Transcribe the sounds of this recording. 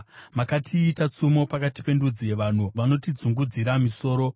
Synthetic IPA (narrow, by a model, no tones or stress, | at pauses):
makatʰiːtat͡sumo̞pakati̥pe̞ndud͡zije̞ʋan̤uʋano̞tid͡zuŋɡud͡ziɾamiso̞ːɾo̞